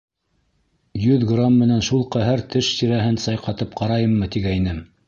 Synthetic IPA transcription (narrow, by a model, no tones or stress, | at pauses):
jɵðɡramːɘ̆nænʃulˠqɑɦæɾt̪ʰɘʃt̪iɾæɦɘnsɑjqɑt̪ɤp̚qʰɑɾɑjɤmːɤt̪iɡæjnɘm